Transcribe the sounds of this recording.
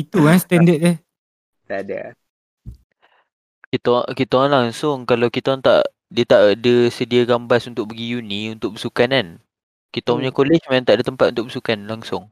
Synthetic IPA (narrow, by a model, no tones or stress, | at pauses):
it̪ukanst̪ɛndət̪̚e | t̪ada̰ | kit̪okit̪anlaŋsʊŋkalawkit̪ɔŋt̪a̰ʔ | diət̪aʔdəsədiaɡambasunt̪ʊkʔ̚bəɡijuniunt̪ʊk̚bəsukanan | kit̪aɲakolɪt͡ʃmant̪aʔdət̪əmpat̪unt̪ʊk̚bəsukanlaŋsʊŋ